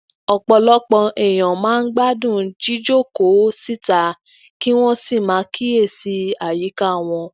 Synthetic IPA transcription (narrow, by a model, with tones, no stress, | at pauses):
ɔ˧k͡pɔ˧lɔ˦k͡pɔ˧ʔɛ˨j̃ã˨mãː˨˦˧n̩˦ɡ͡ba˦dũ˦˨d͡ʒi˦d͡ʒo˦˨ko˨˦si˦ta˨ | ki˦w̃ɔ̃˦si˦˨mãː˨˦kʰi˦e˦˨si˧˦a˨ji˨˦ka˦˨w̃ɔ̃˧